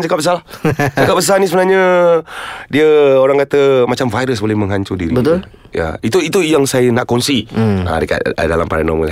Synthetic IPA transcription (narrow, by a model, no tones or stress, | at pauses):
d͡ʒakap̚bəs̬alahakap̚bəs̬anis̬əbənaɲə | diəoɾaŋkat̪əmat͡ʃamvajɾəs̬bolɛhmə̃ŋɦaɲt͡ʃudiɾibət̪ʊl | ja̰it̪uit̪ujaŋsajənaʔkɔnsia̰dəka̰t̪̚dalampaɾanɔməl